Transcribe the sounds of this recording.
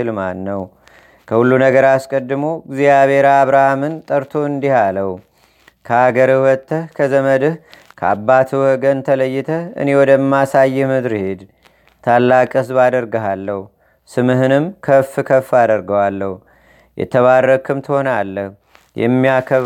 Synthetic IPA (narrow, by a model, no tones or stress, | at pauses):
ɨlma̰nːəw | kʰəhulːunəɡəɾaskʼəd̪ːɨmoɡzijaβe̞ɾaːβɾahamɨnt̪ʼəɾt̪ʰo̞ɨnd̪ihaləhu | kʰəaɡəɾɨwɔt̪ʰːəhkʰəzəməd̪ɨhkʰəa̰bːat̪ʰɨwɔɡənt̪ʰələjːɪt̪ʰəɨ̰newɔd̪əmːasajːɛhmɨd̪ɾhe̞d̪ | t̪ʰalːakʼɨs̬bad̪əɾɡəɦalːəhu | sɨmɨɦɨnɨmkʰəfːɨkʰəfːad̪əɾɡəwalːəhu | jʔɛ̰t̪ʰəβarːəkʰɨmt̪ʰɨho̞nalːəh | jɛ̰mːijakʰə